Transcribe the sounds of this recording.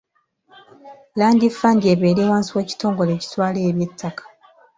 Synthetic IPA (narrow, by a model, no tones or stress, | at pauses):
laːndifːandie̞βeːɾeːwaːnsiwe̞ːci̥to̞ːŋɡo̞le̞ːci̥twaːleːβje̞tʰːakḁ